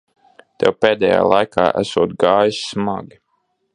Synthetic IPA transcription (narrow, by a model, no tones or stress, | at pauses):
t̪ɛwpeːd̪ʲɛːja̰ːlˠajka̰ːʔæ̰suɔːt̪ɡaːjisːmaɡʲi